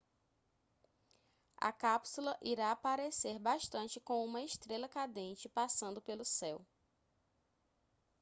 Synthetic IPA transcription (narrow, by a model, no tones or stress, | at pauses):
ɐ̰kapsulɐʔiɾaːpaɾeseɾbaʃt̪ɐ̃t͡ʃɪkõũmɐeʃt̪ɾelɐkad̪ẽt͡ʃɪpasɐ̃nd̪ʊpelʊsɛw